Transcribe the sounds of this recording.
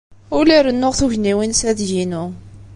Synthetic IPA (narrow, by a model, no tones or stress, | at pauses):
ʊliɾənːʊʁθuvniwinsæðjinu